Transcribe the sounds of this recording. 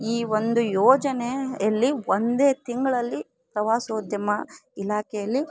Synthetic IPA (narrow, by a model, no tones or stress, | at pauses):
iːʋond̪ujɔːd͡ʒɐnejɐlːiʋond̪e̞ːt̪iŋɡɐɭɐlːi | pɾɐʋaːsoːd̪jɐmɐilaːkɛjɐlːi